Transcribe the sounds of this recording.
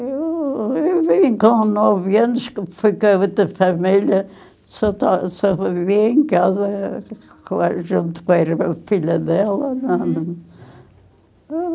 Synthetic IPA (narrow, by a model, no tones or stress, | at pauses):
ewewvĩkõnɔvɐnuʃkfijkɐut̪ɐfɐmiʎɐ | sɔt̪asɔɐiviẽkazɐ | kaɾʒũnt̪u̥kõɛɾfiʎɐðɛlˠɐnɐ̃